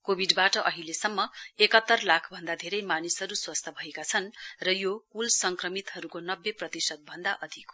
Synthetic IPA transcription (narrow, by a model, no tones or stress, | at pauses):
kobʱiɖbaʈʌʔʌɦilesʌmːʌekʌt̪ːʌrlakʰbʱʌnd̪ad̪ʱeɾʌjmanisʌɾuswast̪ʰʌbʱʌekat͡sʰʌnrʌjokulsʌŋkrʌmit̪ɦʌɾukonʌbːeprʌt̪isʌd̪̚bʱʌnd̪aʔʌd̪ʱik